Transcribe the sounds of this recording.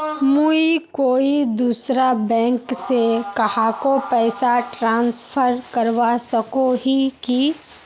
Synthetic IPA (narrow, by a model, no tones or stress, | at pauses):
muikoːid̪uːsɾabɛ̃ːŋksekɐhaːkopɛːsaʈɾãːnspʰəɾkəɾʋasɐkoɦiki